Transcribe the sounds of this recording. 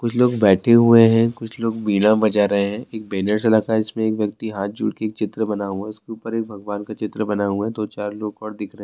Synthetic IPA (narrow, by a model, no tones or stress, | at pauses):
kʊt͡ʃʰloːɡbɛːʈʰeɦueɦɛ̃kʊt͡ʃʰloːɡbiːɽãbɐd͡ʒaɾɐɦeɦɛ̃ːeːk̚beːnəɾsɐlaːkaɛɪsmẽeːkʋjɐk̚t̪iɦaːt̪̚d͡ʒṵːɽkeːk̚t͡ʃɪt̪ɾəbɐnaɦuaʊskeuːpəɾeːk̚bʱɐɡʋaːnkat͡ʃɪt̪ɾəbɐnaɦuat̪ot͡ʃaːɾloːɡɔːɾd̪ɪkʰɾɐɦɛ̃